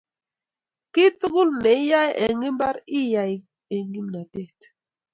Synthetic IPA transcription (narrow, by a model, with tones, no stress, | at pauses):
ki˦tu˦ɣu˦lne˨i˦ja˦je˨ŋɡi˦m˦ba˦ɾi˦ja˨ | e˨ŋɡi˦mna˨te˦t